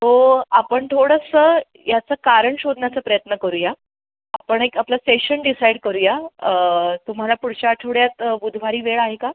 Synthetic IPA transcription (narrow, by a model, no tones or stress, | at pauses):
t̪oapəɳt̪ʰoɽəsə | jat͡səːkaɾəɳɕod̪ʱnat͡səːpɾəjət̪nəkəɾuːja | apəɳekaplaseɕənɖisajɽkəɾuːja | t̪um̤alapuɽt͡ɕaʈʰoɽjat̪bud̪ʱʋaɾiːʋeɭaɦeka